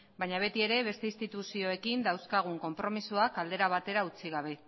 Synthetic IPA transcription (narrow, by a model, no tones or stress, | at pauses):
bajɲaβ̞e̞t̪ie̞ɾe̞βe̞st̪e̞ist̪it̪usio̞e̞kind̪awskaɣ̞uŋko̞mpɾo̞misuakald̪e̞ɾaβ̞at̪e̞ɾaut͡siɣ̞aβ̞e̞